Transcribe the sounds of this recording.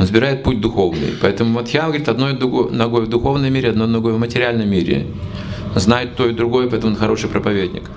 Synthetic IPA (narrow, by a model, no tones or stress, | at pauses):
nəzbʲɪɾajɪt̪̚putʲd̪ʊxo̞vnɨ̰jpɐɛt̪əmʊvot̪jamɡəɐɾʲit̪ɐd̪nod̪ʊɡonɐɡo̞jvd̪ʊxo̞vnəjmʲeɾʲɪɐd̪nojnɐɡo̞jvmətʲɪɾʲɪalʲnəmmʲeɾʲɪ̰ | znajɪt̪ːo̞ɪd̪ɾʊɡo̞jəpɐɛt̪əmʊonxɐɾo̞ʂɨjpɾəpɐvʲedʲnʲɪ̰k